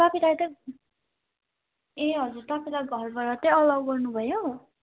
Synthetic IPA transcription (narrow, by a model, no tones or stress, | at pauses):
t̪apʰilajt̪ʌ | eɦʌd͡zurt̪apʰilajɡʱʌlbʌɾʌt̪ʌjʌlʌwɡʌrnubʱʌjo